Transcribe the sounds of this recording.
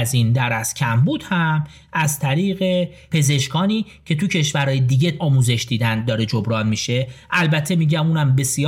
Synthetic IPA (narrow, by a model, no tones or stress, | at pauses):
zind̪æɾæscʰæmbuːd̪̥hæm | æzt̪ʰæɾiːɣe̞ | pʰe̞ze̞ʃkɒːniː | cʰe̞t̪ʰucʰe̞ʃvæɾhɒːjed̪iːɟe̞ɒːmuːze̞ʃd̪iːd̪ænd̪d̪ɒːɾe̞d͡ʒobɾɒːnmiʃe̞ʔælbæt̪ʰːe̞miːɟæmuːnæmbe̞sij